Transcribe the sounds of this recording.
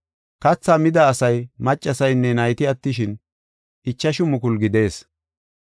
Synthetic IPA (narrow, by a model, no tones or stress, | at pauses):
kɐt͡sːaːmɪd̪ɐːsɐjmɐt͡ʃʼːɐsɐjnːɛnɐjt̪ɪɐt̪ːɪʃɪn | ʔɪt͡ʃːɐʃʊmʊkʊlɡɪd̪e̞ːs